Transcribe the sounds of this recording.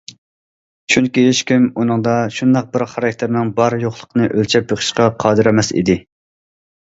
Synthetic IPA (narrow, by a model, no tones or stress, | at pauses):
t͡ʃʰynkʲiɪʃkʲymunɨŋd̪ɑʃund̪ɑq̚bɪɾχɑɾɑk̚ʲt̪ʰeɾnɪŋbɑɾjoχlˠə̥qʰənɨʔølt͡ʃʰɛp̚beχʰə̥ʃqɑqʰɑːd̪ɨɾɛmɛsḭd̪ɪ